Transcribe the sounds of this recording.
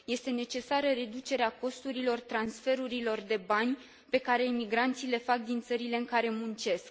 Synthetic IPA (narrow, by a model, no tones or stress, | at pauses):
je̞st̪e̞ne̞t͡ʃe̞saɾəɾe̞d̪ut͡ʃe̞ɾeako̞st̪uɾilo̞rt̪ɾansfe̞ɾuɾilo̞rd̪e̞banʲ | pe̞kaɾe̞imiɡɾant̪sile̞fak̚d̪int̪səɾile̞ɨŋkaɾe̞munt͡ʃe̞sk̚